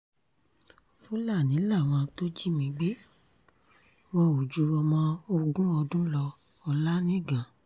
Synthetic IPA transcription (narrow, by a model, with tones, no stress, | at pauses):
fu˦la˦˨nĩ˨˦la˦˨w̃ɔ̃˧to˦d͡ʒi˦mĩ˧ɡ͡be˦ | w̃ɔ̃˧o˨d͡ʒu˨˧˦ɔ˧mɔ̃˧˦o˧ɡũ˦ɔ˧dũ˦lɔ˧ | ɔ˧la˦nĩ˦˨ɡã˨